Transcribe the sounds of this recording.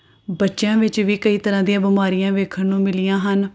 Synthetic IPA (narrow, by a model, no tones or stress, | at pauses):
bətːʃjãːʋɪt͡ʃʋiːkəiːt̪əɾãːd̪ɪijãːbəmaːɾijãːʋeːkʰəɾnũːmɪlɪjãːɦən